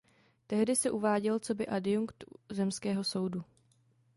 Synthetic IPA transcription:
t̪ɛɦdɪsɛʔuvaːɟɛlt͡so̞bɪʔadɪjuŋkt̪zɛmskɛːɦo̞so̞wdu

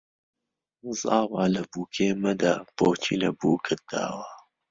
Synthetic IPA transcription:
zaːwalɐbuːkʰeːmɐd̪aːb̥oːt͡ʃʰḭlɐbuːkʰɨt̪̚d̪̥a̰ːwa

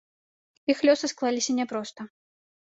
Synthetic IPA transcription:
ixlʲɔsɨsklˠalʲisʲɐnʲɛpɾɔst̪ɐ

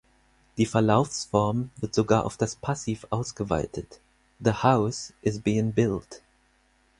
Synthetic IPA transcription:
d̥iːfɛɐlaʊfsfɔɐmvɪɐtz̥oɡaːɐʔa̰ʊfd̥aspʰasiːfʔaʊsɡ̥əva̰ɪtʰət | ðəhaʊsʔɪzbiːɪ̃ŋbɪlt

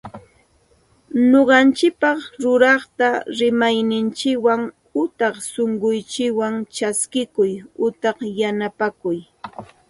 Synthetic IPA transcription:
noɢɑnt͡ʃɪk̚pɑχɾʊɾɑχt̪aɾɪmajnɪnt͡ʃɪkwaŋ | ʊt̪ɑχsoɴɢʊjt͡ʃɪkwaŋt͡ʃaskɪkʊjʊt̪ɑχjanapakʊj

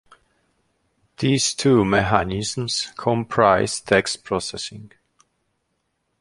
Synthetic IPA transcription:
ðiz̥tʰumɛɦanɪzm̩skʰɔ̃mpʰɹaɪz̥tʰɛkspʰɹ̥ɔsɛsɪ̃ŋ

